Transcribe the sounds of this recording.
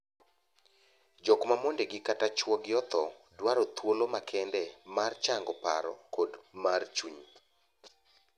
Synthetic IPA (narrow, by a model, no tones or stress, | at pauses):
d͡ʒɔkmamondeɡɪkatat͡ʃwɔɡɪɔt̪ɔdwaɾɔt̪wolomakʰɛndɛmart͡ʃaŋɡɔpa̰ɾɔ̰kodmart͡ʃuɲ